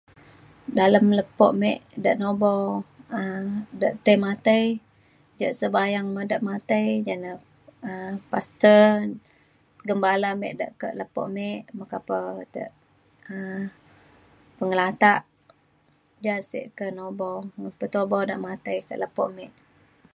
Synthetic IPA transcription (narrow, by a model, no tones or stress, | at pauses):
daləmləpɔ̰ʔmɛʔdə̰ʔnobɔwədaʔt̪əjmat̪əj | d͡ʒaʔsəbajaŋmədaʔmat̪əjd͡ʒana | əpast̪ə | ɡəmbalamɛ̰ʔdə̰ʔkə̰ʔləpɔ̰ʔmɛʔməkapədə̰ʔ | ə | pəŋəlat̪aʔ | d͡ʒansḛʔkənobɔwŋənpət̪obɔwdaʔmat̪əjkə̰ʔləpɔ̰ʔmɛʔ